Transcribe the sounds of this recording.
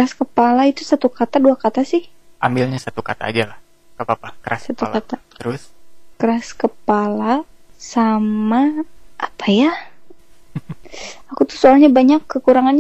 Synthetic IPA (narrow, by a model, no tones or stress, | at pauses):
kɾaskəpalait̪usat̪ukat̪aduakat̪asɪhʔambilɲasat̪ukat̪a̰ːd͡ʒalah | kapapakəɾassat̪ulat̪at̪əɾʊskəɾaskəpalasamaʔapʰaja | akut̪u̥hsoalɲabaɲakːəkuɾaŋanɲ